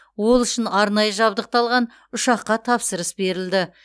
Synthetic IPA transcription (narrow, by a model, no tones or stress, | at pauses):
wo̞lˠʏʃɪnɑɾnɑjəʒɑbd̪əq̚t̪ɑlˠʁɑn | ʊʃɑqːɑt̪ʰɑpsəɾəsbe̞ɾɪld̪ɪ